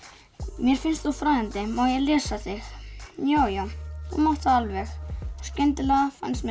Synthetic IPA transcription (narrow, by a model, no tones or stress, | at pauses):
mjɛɾ̥fɪnst̪θufɾaːɛnt̪ɪmawjɛɣlɛːsaθɪxjaːwjawθṵmɔht̪θaalvɛxscɛnt̪ɪlaɣafa̰nst̪mɛ